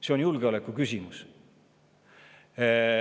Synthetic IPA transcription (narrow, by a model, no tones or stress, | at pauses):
se̞onjulɡ̥eo̞lekːˑukysʲimus